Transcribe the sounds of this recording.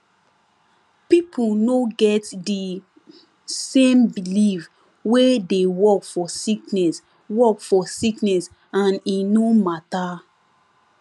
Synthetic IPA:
pipʰunoɡɛtdi | sẽmbilif | wedewɔkfɔsiknɛs | wɔkfɔsiknɛs | ãninomata

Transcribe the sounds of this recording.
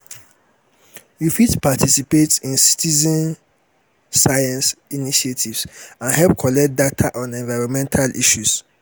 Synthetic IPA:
jufitpʰatʰisipetĩnsi̥tʰizɛ̃n | sajãnsiniʃietʰivsãnhɛpkʰɔlɛk̚t̚datʰaʔɔ̃nɛ̃ɱvaɹɔ̃nmɛ̃ntʰalʔḭʃus

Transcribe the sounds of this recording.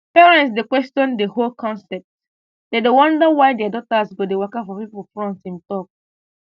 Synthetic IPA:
pɛɹɛ̃nts̬dekwɛstɔ̃ndeholkʰɔ̃nsɛp̚t | dedewɔ̃ndawajdɛadɔtasɡodewɜkafɔpipulfɹɔ̃ntĩntɔk̚

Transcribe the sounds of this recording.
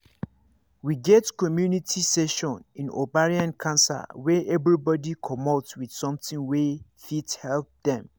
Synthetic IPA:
wiɡɛtkʰɔmjunitʰisɛʃɔ̃nĩno̰baɹiãnkʰãnsa̰wɛʔɛbɹibɔdikʰɔmɔtwid̥sɔ̃mtɪ̃ŋwɛfithɛlp̚dɛ̃m

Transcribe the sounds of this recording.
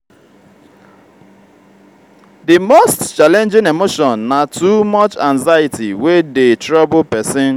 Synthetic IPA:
dimostt͡ʃalɛ̃nd͡ʒɪ̃nemoʃɔ̃nːatumɔt͡ʃãŋzajɪtḭwedetɹɔbʊpɛsɪ̃n

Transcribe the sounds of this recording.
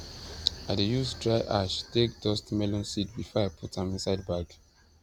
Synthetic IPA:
adejusdɹaɪʔaʃtek̚dɔstmɛlɔ̃nsidbifɔapʰutãmĩnsaɪd̚baɡ

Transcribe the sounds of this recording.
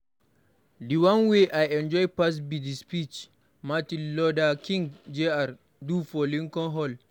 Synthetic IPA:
diwãnweʔajɛ̃nd͡ʒɔjpas̬bidispit͡ʃ | matinlɔdakĩŋɡd͡ʒeaɾ | dufɔlĩŋkɔ̃nɦɔl

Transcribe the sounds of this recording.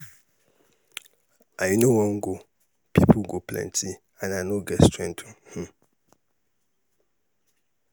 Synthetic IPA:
ajnʊ̃wɔ̃ŋ̩ɡo | pʰipʰʊɡoplɛ̰̃ntʰi | ãnanõɡɛstʰɹɛ̃ntʰɔ̃h̩

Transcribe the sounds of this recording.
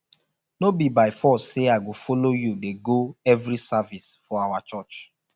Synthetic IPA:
nobibaɪfɔsːeaɪɡofolojudeɡoɛvɾisavisfɔawat͡ʃɔt͡ʃ

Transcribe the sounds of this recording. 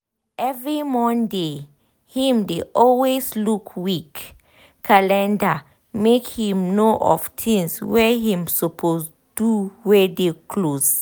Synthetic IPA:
ɛvɹimɔ̃nde | hĩmdeʔɔlweslukʰwikːʰ | alɛ̃nda | mekhĩmnoʔɔ̰vtʰĩŋswɛɦĩmsopʰos | duwɛdekʰloz̥

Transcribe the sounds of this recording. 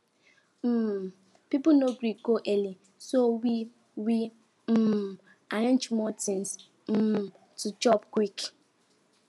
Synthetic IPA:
m̩ | pipʊnoɡɾikoʔeli | sowi | wi | m̩ | aɾãnd͡ʒmɔtĩns | m̩ | tut͡ʃɔpkwik

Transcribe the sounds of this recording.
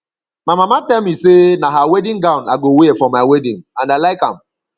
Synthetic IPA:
mamamatɛlmisenaɦawɛdĩŋɡãʊ̃naɡowefɾɔmːaɪwɛdĩŋãndalaɪkã̰m

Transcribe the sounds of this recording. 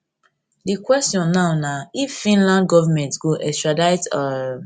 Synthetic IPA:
dikwɛstjɔ̃nːawnaifːĩnlãndɡɔvamɛ̃ntɡoʔɛstɹadaɪta

